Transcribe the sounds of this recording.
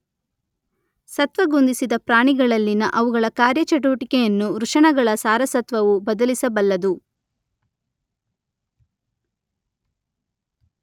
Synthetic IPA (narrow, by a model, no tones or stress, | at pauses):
sɐt̪ʋɐɡond̪isid̪ɐpɾaːɳiɡɐɭɐlːinɐʔɐʋuɡɐɭɐkaːɾjɐt͡ʃɐʈ̬uʋɐʈikɛjɐnːuɾuʂɐɳɐɡɐɭɐsaːɾɐsɐt̪ʋɐʋubɐd̪ɐlisɐbɐlːɐd̪u